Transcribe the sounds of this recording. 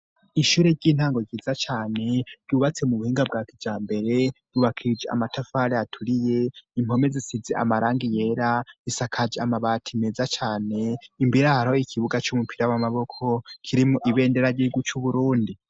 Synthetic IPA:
iʃuːɾe̞ɾɟiːn̥haːŋɡoɡɟizat͡ʃaːne̞ɾɟuːβat͡se̞muβuhiːŋɡab̚ɡaːkivd͡ʒaːmbe̞ɾe̞ɟ̥uβakʰid͡ʒea̰matʰafaɾeatʰuɾijeim̥ho̞mezisizeʔa̰maɾaːŋɡije̞ɾaisakʰad͡ʒeamaβatʰimezat͡ʃaːne̞imbiɾahaɾoikʰiβuɡat͡ʃumupʰiɾawamaβo̞kʰo̞kʰiɾimoʔiβe̞ːnde̞ɾaɟiɡut͡ʃuβuɾuːndi

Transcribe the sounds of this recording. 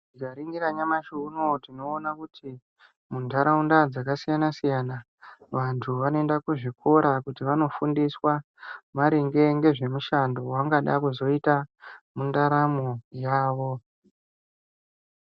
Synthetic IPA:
ikaɾiŋɡiɾaɲamaʃunotino̞ːnakutʰi | mundʱaɾaundad͡zakasijanasijana | ʋantʰuʋanoendakuʐikʰo̞ɾakutiʋano̞fundiswa | maɾiŋɡe̞ŋɡe̞ʐe̞muʃando̞waŋɡaɗakuzo̞itamundaɾamojaːʋo̞

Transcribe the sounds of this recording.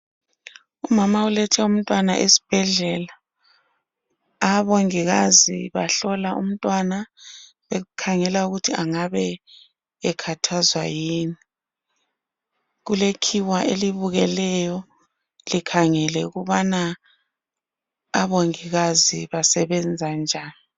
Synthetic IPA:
umamaulɛtʰɛum̩tʼwana̰ʔesi̥b̥ʱɛɮɛla | βoŋiɣaziβaɬɔlaʔṵm̩tʼwana | βɛkʰaŋɛlauɣutʰiaŋaβɛː | kʰatʰazwa̰jiːni | ɣulekʰiwaʔeliβuɣɛlɛjɔ | likʰaŋɛlɛɣuβana | βoŋiɣaziβasɛβɛnd͡zʱand͡ʒʱaːni

